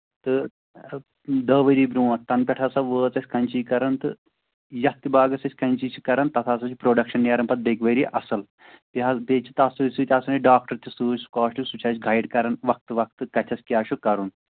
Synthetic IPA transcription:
t̪ɨ | d̪əːʋɐɾiːbɾũːʋɐt̪ɐnpʲɛʈʰɐːsɐʋəːt͡sɐsʲkɐnt͡ʃiːkɐɾɐnt̪ɨ̰ | jɐt̪ːibaːɡɐsɐsʲkɐnʲt͡ʃiːt͡ʃʰikɐɾɐnt̪ɐt̪ʰaːsɐt͡ʃʰipɾoːɖɐkʃɐnːeːɾɐnpɐt̪̚d̪eːkʋəɾiːʔɐsɐl | piɐpeːt͡ʃʰi̥t̪aːsɨsuːt̪ʲaːsɐnɐɖaːk̚ʈɐɾt̪ʰʲisuːsu̥kaːʂʈisut͡ʃʰaːt͡ʃɡʱɐjɖkɐɾɐnʋɐk̚t̪ɨʋɐk̚t̪ɨkɐt̪ʲʰɐsʲkʲjaːʃukɐɾun

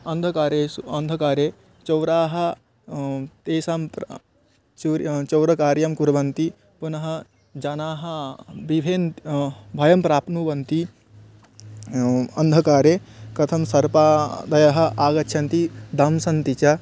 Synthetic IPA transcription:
ɐnd̪ʱɐkaːɾeːɐnd̪ʱɐkaːɾeː | t͡ʃɐwɾaːɦɐ̆ | t̪eːsaːmp | t͡ʃɾt͡ʃɐwɾɐkaːɾjɐmkuɾɐʋɐnt̪i | punɐɦɐ̆ | d͡ʒɐnaːɦɐbibʱeːn | bʱɐjɐmpɾaːpnuːʋɐnt̪i | ɐnd̪ʱɐkaːɾeːkɾɐt̪ʰɐmsɐɾpaːd̪ɐjɐɦɐ̆aːɡɐtːʰɐnt̪id̪ɐmsɐnt̪it͡ʃɐ

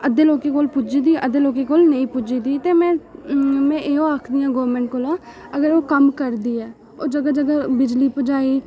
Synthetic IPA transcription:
əd̪eːloːkeːkoːlpʊd͡ʒiːd̪iːʔəd̪eːloːkeːkoːlnəĩːpʊd͡ʒiːd̪iːt̪eːmɛ̃ːmɛ̃ːʔeːɦõːaːkʰd̪iːãːɡoːɾmɛ̃ːɳʈ̚koːlãːəɡəɾoːkəmkəɾd̪iːɛː | oːd͡ʒəɡaːd͡ʒəɡaːbɪd͡ʒliːpʊd͡ʒaːiː

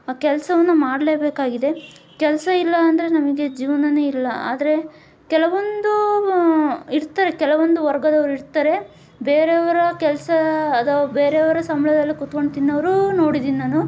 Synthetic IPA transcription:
kɛlɐsɐʋɐnːumaːɽle̞ːbeːkaːɡid̪e̞ | kɛlɐsɐilːɐːnd̪ɐɾe̞nɐmɐɡe̞d͡ʒiːʋɐnɐneilːɐa̰ːd̪ɐɾe̞ | kɛlɐʋond̪u | iɾt̪aːɾe̞kɛlɐʋond̪uʋɐɾɡɐd̪ɐʋɐɾuiɾt̪aɾe̞ | beːɾeɐʋɐɾɐkɛlɐsɐd̪ɐbeːɾeɐʋɐɾɐsɐmɐɭɐd̪ɐlːikut̪ko̞ɳɖt̪inːɐʋɐɾuno̞ːɽid̪iːɐːnu

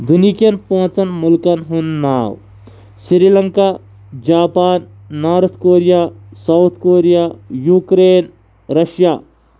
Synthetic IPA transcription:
d̪unikijɐnpõt͡sɐnmʊlkɐnɦunːaːw | siɾilɐŋkaː | d͡ʒaːpaːnː | aːɾɐt̪ʰkoːɾijasɐwt̪ʰkoːɾijaːjuːkɾeːn | ɾɐʃjaː

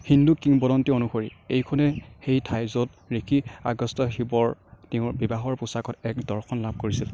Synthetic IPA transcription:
hindukiŋbɔdɔntionuxoɹḭejkʰɔnɛxejtʰajzɔt̚ | ɹikʰia̰ɡɔstɔxibɔɹteʊ̃bibaɦɔɹpusakɔtɛkdɔɹxʰɔnlab̚ʱkoɹisil

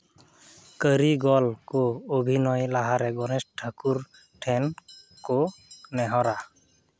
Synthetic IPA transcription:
kəɾiɡɔlkɔobʱinɔjlaɦaɾɛɡɔnɛsʈʰakuɾ | ʈʰɛn | kɔnɛɦɔɾa

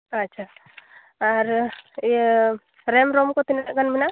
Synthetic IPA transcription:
ɐtːʃʰa | aɾ | ɾemɾomkot̪inɡɐnbʱina

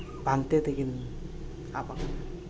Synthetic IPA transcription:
baŋt̪et̪ekin | a̰paka

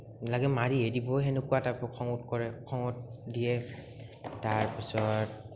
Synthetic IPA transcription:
laɡɛmaɹiedibɔɦenʊkuataɹpɹɔkʰɔŋutkɔɹɛkʰɔŋɔt̚dijɛ | taɹpisɔt̚

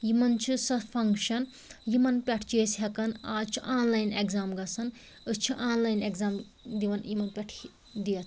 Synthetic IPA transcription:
jimɐnt͡ʃʰɨsɐpʰɐŋkʃɐn | jimɐnpʲɐʈʰt͡ʃeːsɦɐkɐnaːt͡ʃʰiʔaːnlɐjneɡzaːmɡɐsʰɐn | ɨst͡ʃʰiʔaːnlajneɡzaːm | d̪iʋɐnjimɐnpʲɐʈʰ | d̪iɐt̪ʰ

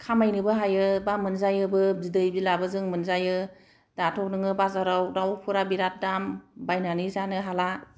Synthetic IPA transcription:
kʰamajnɯbɯɦajɯbamɯnzajɯbɯzidɯjbilabɯzɯŋmɯnzajɯ | d̥atʰɔk̚nɯŋɯbazaɾawdawpʰuɾabiɾat̚dambajnanizanɯɦala

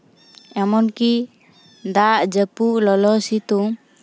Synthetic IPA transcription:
ɛmɔnki | d̪aʔd͡ʒəpuʔlɔlɔsit̪u

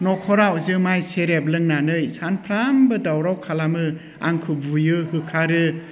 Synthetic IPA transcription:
nɔkʰɔɾawzɯmajseɾeblɯŋnanɯjsanpʰɾambɯdawɾawkʰalamɯ | a̰ŋkʰɯbujɯhɯkʰaɾɯ

